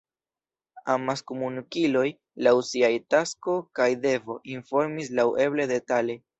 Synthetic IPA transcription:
amaskumunukilo̞j | lawsiajtasko̞kajde̞vo̞ʔinfo̞ɾmislawʔe̞ble̞de̞tale̞

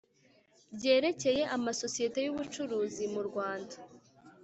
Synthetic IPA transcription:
bɟe̞ːɾe̞ce̞je̞ʔamaso̞sije̞te̞juβut͡ʃuɾuːzimuɾɡwaːnda

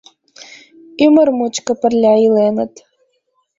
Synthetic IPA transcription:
ymərmut͡ɕkə̆pə̆rlʲɑilenə̆t̪

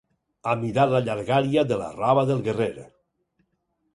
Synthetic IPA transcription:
amiɾalaʎaɾɣaɾiaðəla̰raβaðelˠɣereɾ

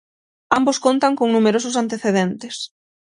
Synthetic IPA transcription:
amboskont̪aŋkoŋnumeɾosʊsant̪eθeðent̪ɪs

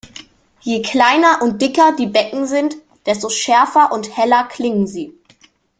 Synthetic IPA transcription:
jeːkʰl̥aɪnɐʔʊnt̚d̥ɪkɐdiːbɛkŋ̩zɪnt | d̥ɛstoʃɛɐfɐʔʊnthɛlɐkʰlɪŋənziː

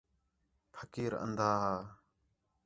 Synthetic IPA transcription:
pʰəkiːɾə̰nd̪aːɦaː

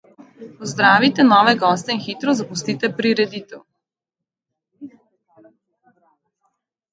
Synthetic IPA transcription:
pɔzd̪ɾaːʋit̪ɛnɔːʋɛɡɔːst̪ɛinxit̪ɾɔzapust̪it̪ɛpɾiɾɛd̪it̪ɛw

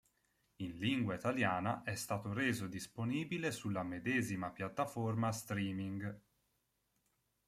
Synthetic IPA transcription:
inliŋɡwait̪aljaːnaʔɛst̪aːt̪oɾeːzod̪isponiːbilesulːamed̪eːzimapjat̪ːaformast̪ɾiːmiŋɡ

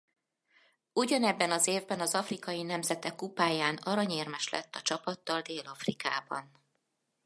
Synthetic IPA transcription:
uɟɒnɛbːɛnɒzeːvbɛnɒzɒfrikɒjinɛmzɛt̪ɛkːupaːjaːnɒɾɒɲeːrmɛʃlʔɛ̰t̪ːɒt͡ʃɒpɒt̪ːɒld̪eːlɒfrika̰ːbɒ̰n

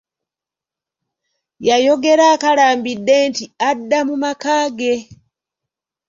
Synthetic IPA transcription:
jajo̞ɡe̞ɾaːkalaːmbidːe̞ntiadːamumakaːɡe

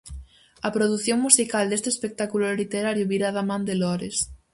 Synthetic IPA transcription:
ɐpɾoðuθjoŋmusikald̪est̪espek̚t̪akulʊlit̪eɾaɾjʊβiɾaðamãnd̪elɔɾes

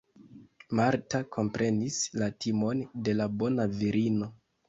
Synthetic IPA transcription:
maɾtakʰo̞mpɾe̞nislatʰimo̞nde̞labo̞naviɾino̞

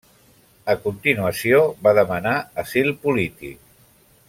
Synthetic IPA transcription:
əkunt̪inuəsioβaðəmənaəsilˠpulit̪ḭk

